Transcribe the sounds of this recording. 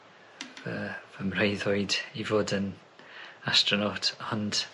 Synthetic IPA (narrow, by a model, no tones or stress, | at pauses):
vəvəmrejðɔɨdivoːdən | astrɔnɔtʰɔnd̥